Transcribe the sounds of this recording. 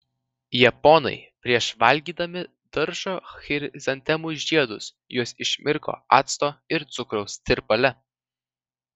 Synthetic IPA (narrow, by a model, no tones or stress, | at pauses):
jɛpɔnɐ̰ɪpʲɾʲiɛʃʋɐlʲɡʲiːd̪ɐmʲɪ | d̪̥ɐɾʃoxʲɪɾʲzʲɐnʲt̪ʲɛmʊʒʲiɛd̪ʊs | juɔsɪʃʲmʲʔʲɪɾko̰ːɑ̰ːt̪st̪oːɪɾt̪sʊkɾɔʊst̪ʲɪɾpɐlʲɛ